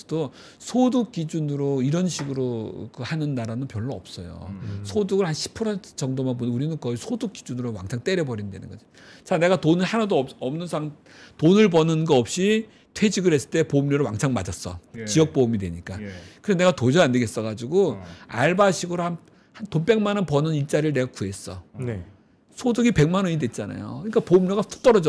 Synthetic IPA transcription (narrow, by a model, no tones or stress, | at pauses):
do | sʰoduk̚k͈id͡ʑunɯɾoiɾʌnɕʰiɡɯɾokɯhanɯnːaɾanɯnpjʌɭːoʌ̰p̚s͈ʌjo̰sʰoduɡɯɭhanɕʰi̥pʰɯɾʌntʰt͡ɕʌŋdomanbonuɾinɯnkʌisʰoduk͈̚id͡ʑunɯɾowa̰ŋt͡ɕʰaŋt͈e̞ɾjʌbʌɾindwe̞nɯ̰ŋɡʌ̰d͡ʑo | t͡ɕane̞ɡatonɯɭhanadoʌʌmnɯnsʰaŋ | tonɯɭbʌnɯnɡʌʌp̚ɕ͈i | tʰwe̞d͡ʑiɡɯɭhes͈ɯ̥ɭt͈e̞pomɲoɾɯwaŋsʰaŋmad͡ʑʌs͈ʌ̰t͡ɕijʌk̚p͈omidwe̞̰ɲik͈akɯɾeene̞ɡatod͡ʑʌande̞ɡe̞s͈ʌɡad͡ʑiɡoa̰ɭbaɕʰiɡɯɾohan | hantop͈e̞ŋmanʌnpʌnʌniɭt͡ɕ͈aɾiɯɭne̞ɡakue̞s͈ʌ̰n | sʰodɯɡipe̞ŋmanʌɲidwe̞t̚t͡ɕ͈ana̰jo̰kɯɲik͈apomɲoɡapʰu̥t͈ʌɾʌd͡ʑʌ